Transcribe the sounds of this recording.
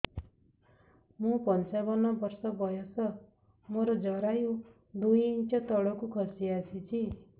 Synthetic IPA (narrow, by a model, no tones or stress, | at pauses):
mũpʌnt͡ʃabʌnɔbʌrsɔbʌjɔsʌ | moɾɔd͡ʒʌɾaju | d̪ujint͡ʃʌt̪ɔɭɔkukʰʌɾsiasʰit͡ʃʰi